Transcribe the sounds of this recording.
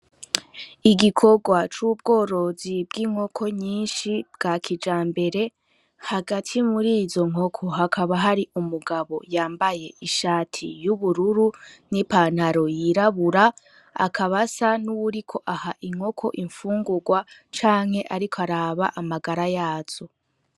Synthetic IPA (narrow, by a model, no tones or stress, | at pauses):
iɡikʰo̞ɡwat͡ʃuːb̚ɡo̞ːɾo̞zibɡiːŋ̥ho̞kʰo̞ɲiːnʃib̥ɡaːkʰid͡ʒaːmbe̞ɾe̞ | haɡatʰimuɾiːzo̞ŋ̥o̞kʰo̞ɦakʰaβaɦaɾiʔumuɡaβo̞̰jaːmbaje̞ʔiʃaːtʰijuβuɾuɾunipan̥haɾo̞jiɾaβuɾa | a̰kʰaβasanuβuɾikʰo̞ʔahaʔiŋ̥ho̞kʰo̞̰ʔiɱfuːŋɡuɡwat͡ʃaːŋhe̞ʔaɾikʰoaɾaːβa̰ʔamaɡaɾajaːz̥o̞